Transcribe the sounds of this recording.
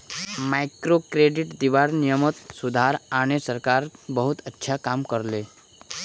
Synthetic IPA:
makɾokɾeɖiʈd̪iʋaɾnijəmət̪sud̪ʱaɾañesəɾkaɾbəɦut̪ətːʃʰakamkəɾle

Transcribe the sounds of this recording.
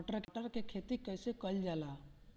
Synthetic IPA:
ʈəɾkʈəɾkekʰeːt̪ikəːsekəld͡ʒaːlaː

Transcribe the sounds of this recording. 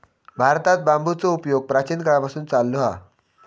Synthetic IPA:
bʱaɾt̪at̪̚bambʱut͡soupjoɡ̚pɾat͡ɕinkəɭapasuːnt͡salːoɦa̰

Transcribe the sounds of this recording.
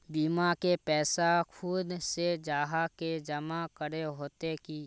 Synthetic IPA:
biːmakepɛːsakʰʊd̪sed͡ʒaːɦaked͡ʒəmakəɾeɦoːt̪ekiː

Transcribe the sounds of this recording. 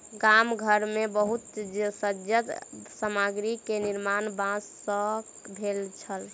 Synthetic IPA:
ɡamɡʱəɾmebəɦut̪d͡ʒsəd͡ʒjət̪səmaɡɾikeniɾmanbãsːə̃ | bʱelt͡ʃʰəl

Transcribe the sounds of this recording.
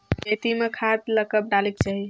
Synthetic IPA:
ket̪imekʰat̪ləkəp̚ɖalek̚t͡ʃaɦi

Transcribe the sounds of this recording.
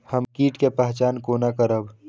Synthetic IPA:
həmkiːʈkepɛɦt͡ʃaːnkoːnakəɾəb

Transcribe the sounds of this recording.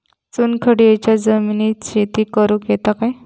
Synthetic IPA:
t͡sunkʰəɽiet͡ɕjad͡zəminiːt̪ɕet̪iːkəɾukjet̪akaj

